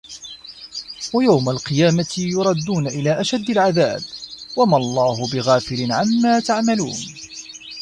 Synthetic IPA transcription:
wajawmalqɨjaːmajʊɾˤɑd̪ːuːnaʔɪlaːʔaʃad̪ːalʕaðaːbwamɑlˤːɑːhʊbɪɣaːfɪlɪnʕamːaːt̪aʕmalṵːn

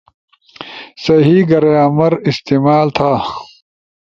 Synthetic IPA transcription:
sɐɦiɡɐɾejaːmɐɾist̪iːmaːlt̪ʰaː

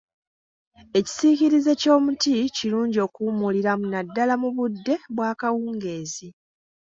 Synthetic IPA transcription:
e̞ci̥siciɾize̞co̞ːmuticiɾuːɲɟio̞kumuliɾamunadːalamuβudːe̞βwaːkawuːŋɡe̞ːzi

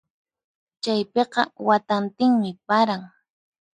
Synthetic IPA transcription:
t͡ʃajpeqɑ̰wat̪ant̪ɪŋmɪpaɾaŋ

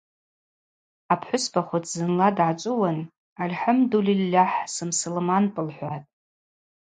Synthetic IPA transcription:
apʰħʷʊspʰaχʷʊtʰʼzɨnladʕat͡ʃʷʼʊwan | alħamdulilːaħsɨmsɨlmanpʼɨlħʷatʼ

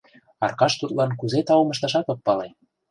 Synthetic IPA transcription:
ɑ̰rkɑʃt̪ut̪lɑnkuzet̪ɑwumɤ̆ʃt̪ɑʃɑt̪opːɑle

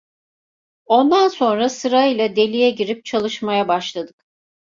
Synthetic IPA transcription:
o̞nd̪anso̞nɾasɯɾaɯjlˠad̪e̞lʲijɛɟiɾip̚t͡ʃʰalˠɯʃmajabaʃlˠad̪ɯk

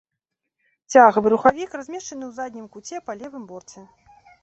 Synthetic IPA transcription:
t͡sʲaɣɐvɨɾuxavʲikrazʲmʲɛʂt͡ʂɐnɨwzad̪ʲnʲimkut͡sʲɛpalʲɛvɨmbɔrt̪sɛ

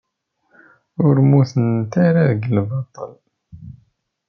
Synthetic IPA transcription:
ʊɾmuθənt̪aɾaðəɡəlbɑt̪ˤːə̰l

